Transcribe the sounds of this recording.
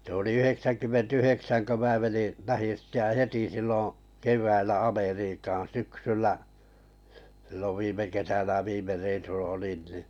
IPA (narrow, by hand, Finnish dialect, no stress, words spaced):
se oli yheksænkymːent yheksæn kø mæː meni læhin̞ sitːe jɑ heti silːõː keʋˑæilːæ ɑmeriːkɑːn syksylːæ s̞ilːoʋ ʋiːme kesænæ ʋiːme reisulːɑ olin niˑ